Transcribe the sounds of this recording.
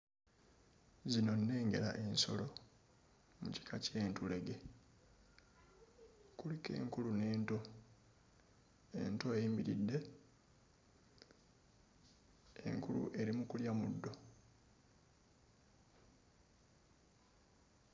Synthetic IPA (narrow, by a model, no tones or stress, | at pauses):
zino̞nːe̞ːŋɡe̞la̰ʔe̞nso̞̰lo̞ | mṵci̥kʰace̞ːntule̞ɡe̞ | kulike̞̰ːŋkulune̞ːnto̞ | ḛnto̞eiːmbiɾidːe̞ | e̞̰ŋkulṵʔe̞ɾimukuljamudːo̞